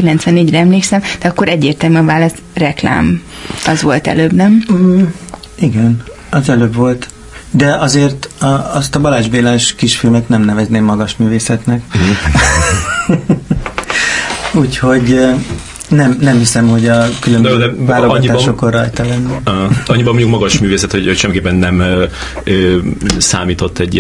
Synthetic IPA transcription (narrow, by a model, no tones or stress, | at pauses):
ilɛnt̪sʋɛnːeːɟrɛɛmleːksɛmd̪̥ɛɒkːo̞ɾɛɟːeːrt̪ɛlmyɒvaːlɒs | rɛkla̰ːm | ɒzʋo̞lt̪ɛ̰løːbnɛm | iɡɛn | ɒzɛløːbʋo̞lt̪ | d̪ɛɒzeːrt̪ɒst̪ɒbɒlaːʒbeːlaːʃkiʃfilmɛt̪nɛmnɛvɛzneːmːɒɡɒʃmyːveːsɛt̪nɛk | uːcho̞ɟ | nɛmnɛmhisɛmho̞ɟɒkylømbøzøaːloɒiːʃoko̞rːɒjt̪ɒlɛnːɛɒɲːibɒmoɲɟukmɒɡɒʃmyːveːsɛt̪hoɟocʃɛmikeːpːɛnːɛmø | øsa̰ːmiːt̪o̞t̪ːɛɟ